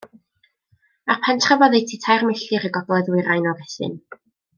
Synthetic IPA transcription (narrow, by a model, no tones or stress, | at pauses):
apʰantʰravɔðejtʰitʰajrmɪɬɨɾəɡɔɡlˠɛðwɪɾajnɔvɪθɪ̰n